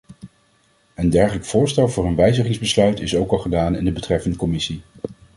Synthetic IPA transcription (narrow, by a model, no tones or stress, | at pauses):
əndɛɹχələkfʊːɹstɛlˠvʊːɹənʋɛjzəχɪŋzbəslœɥtɪsowkɑlˠχədaːnɪndəbətrɛfəndəkɔmɪsi